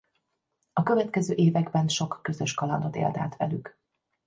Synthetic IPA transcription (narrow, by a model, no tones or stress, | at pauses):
ɒkø̞vɛt̪kɛzøːʔeːvɛɡbɛnʃo̞kːø̞zø̞ʃkɒlɒnd̪o̞t̪ḛːld̪a̰ːt̪ʋɛ̰lyk